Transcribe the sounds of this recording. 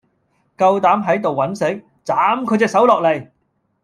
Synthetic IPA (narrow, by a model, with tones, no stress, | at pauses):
kɐ˧wt̪aː˨˥mɦɐ˨˥jt̪o˨wːɐ˨˥nsɪ˨˥ŋ̚ | t͡saː˨˥mkʰɵ˨˧˥t͡sɛː˧k̚sɐ˨˥wlɔː˨k̚le˨˩j